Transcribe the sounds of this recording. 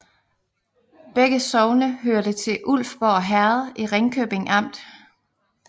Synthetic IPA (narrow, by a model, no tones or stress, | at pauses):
b̥eɡ̥əsɒʊnəɦøɐɾət͡sʰe̝ʔul̰fb̥ɒɦæɐð̩ˠiʁeŋkʰøːb̥e̝ŋʔɑ̈m̰d̥